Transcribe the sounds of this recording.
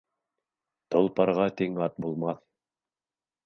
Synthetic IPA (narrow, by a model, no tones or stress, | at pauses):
t̪ŏlˠpɑɾʁɑt̪iŋɑt̪̚bulˠmɑθ